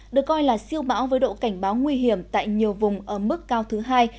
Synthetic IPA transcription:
ɗɨ˨˩əkːɔ˧jlaː˨˩si˧əwɓa̰ː˧˥wvəː˨˦jɗo̰˧˨ka˧˩jŋ̟ɓaː˨˦wŋwi˧ɦi˧˩əmt̪a̰ː˧˨jɲi˨˩əwvʊ˨˩ŋ͡mʔəː˧˩mɨ˦˥kːaː˧wt̪ʰɨ˨˦ɦaː˧j

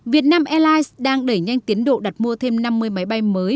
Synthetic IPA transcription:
vi˨˩ət̚naː˧mʔɛ˧laː˧jsɗaː˧ŋɗə˧˩jɲa˧jŋt̪i˨˦ənɗo̰˧˨ɗa˨˩t̚mu˧ət̪ʰe˧mna˧mːɨ˧əjma˨˦jɓa˧jməː˨˦j

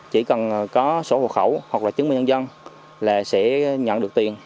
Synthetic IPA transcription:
t͡ɕi˧˩kə˨˩nkɔ˨˦so̰˧˩ho̰˧˨xə˧˩whwa˨˩k̚laː˨˩t͡ɕɨ˨˦ŋmï˨˧ŋɲə˧nzə˧n | laː˨˩sɛ̰˧˥ɲə̰˧˨nɗɨ˨˩k̚t̪i˨˩ən

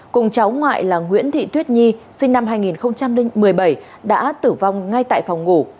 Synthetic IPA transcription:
kʊ˨˩ŋ͡mt͡ɕa˨˦wŋwa̰ː˧˨jlaː˨˩ŋwḭ˧˥ənt̪ʰḭ˧˨t̪wi˦˥t̚ɲi˧ | sï˧ŋ̟na˧mhaː˧jŋi˨˩nxə˧wŋ͡mt͡ɕa˧m˧ŋmɨ˨˩əjɓə˧˩j | ɗa̰ː˧˥t̪ɨ˧˩va˧˩wŋ͡mŋa˧jt̪a̰ː˧˨jfa˨˩wŋ͡mŋu˧˩

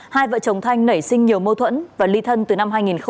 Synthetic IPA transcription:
haː˧jvə̰ː˧˨t͡ɕə˨˩wŋ͡mt̪ʰa˧jŋ̟nə˧˩jsï˧ŋɲi˨˩əwmo˧t̪ʰwə̰˧˥nvaː˨˩li˧t̪ʰə˧nt̪ɨ˨˩na˧mhɦaː˧jŋi˨˩nxə˧

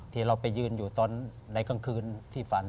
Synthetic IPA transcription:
t̪ʰiː˧˩ɾa˧wpa˧jːɯː˧njuː˨˩t̪ɔː˧n | da˨˧˥jkʰa˧˥˩ŋkʰɯː˧nt̪ʰiː˥˩fa˧˦n

